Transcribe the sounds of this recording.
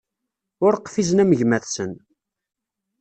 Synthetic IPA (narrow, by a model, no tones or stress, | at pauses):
ʊɾqfizənæməʝmæθsən